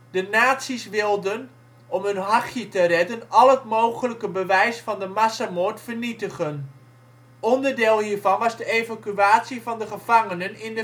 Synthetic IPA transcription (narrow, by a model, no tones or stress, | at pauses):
dənaːtsisʋɪlˠdən | ɔmɦɵnɦɑχjətərɛdənɑlˠətmowχələkəbəʋɛjsfɑndəmasamoːɹtfərnitəχən | ɔndəɹdeːlˠhiːɹvɑnʋɑzdəejvakyaːtsivɑndəχəv̥ɑŋənənɪndə